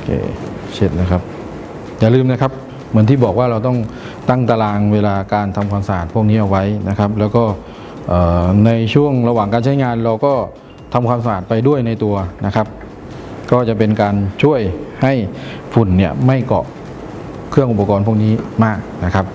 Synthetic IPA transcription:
kʰḛː˧˩t͡ɕʰe˦˧˥t̪̚na˦˧˩kʰa˦˥p̚ | jaː˨˩lɯː˧mna˦˥kʰa˦˥p̚ | mɯ˩˦ənt̪ʰiː˥˩bɔː˨˩k̚waː˥˩ɾa˧wt̪̬ɔ˥˩ŋ | t̪a˥˩ŋt̪a˧laː˧ŋweː˧laː˧kaː˧nt̪ʰa˧mkʰwaː˧msa˧ʔaː˨˩t̪̚pʰu˥˩ək̚niː˦˥ʔa˧˩wa˦˥jna˦˥kʰa˦˥p̚lɛː˦˥wkɔː˥˩ | ʔɤː˨˩na˧jt͡ɕʰu˥˩əŋɾa˧waː˨˩ŋkaː˧nt͡ɕʰa˦˥jŋaː˧nɾa˧wkɔː˥˩ | t̪ʰa˧mkʰaː˧msa˧ʔaː˨˩t̪̚pa˧jdu˥˩əjna˧jt̪u˧ɐna˦˥kʰa˦˥p̚ | kɔː˥˩t͡ɕa˨˩p̬e˧nkaː˧nt͡ɕʰu˥˩əjha˥˩jfu˨˩nːi˥˩ɐma˥˩jkɔ̰˨˩ʔ | kʰɯ˥˩əŋʔu˨˩pa˧kɔː˧npʰu˥˩ək̚niː˦˥maː˥˩k̚na˦˥kʰa˦˥p̚

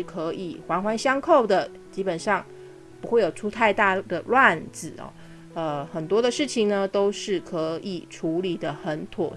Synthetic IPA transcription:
kʰɤ˧˦˥ʔi˨˩xwa˧˥nxwa˧˥nɕjɑ˥ŋkʰo˥˩ʊd̪ə˩ | t͡ɕi˥pə˨˩nʂɑ˥˩ŋ | pu˧˥xwe˥˩ɪjo˨˩ʊʈ͡ʂʰu˥t̪ʰa˥˧ɪt̪a˥˩d̪ə˩lwa˥˩nd͡zɹ̩˨˩ɔ̰˧˩ | ə˧xə˨˩nt̪wɔ˥d̪ə˨ʂɻ̩˥˩t͡ɕʰi˨˩ŋnə˨t̪o˥ʊʂɻ̩˥˩kʰə˧˥ʔi˨˩ʈ͡ʂʰu˧˥li˨˩d̪ə˦xə˧˥nt̪ʰwɔ̰˨˩

